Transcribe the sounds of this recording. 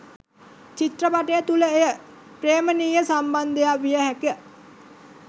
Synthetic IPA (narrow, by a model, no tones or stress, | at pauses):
t͡ʃit̪rəpaʈəjət̪uləejə | pɾeːməniːjəsamband̪əjaʋijəhækə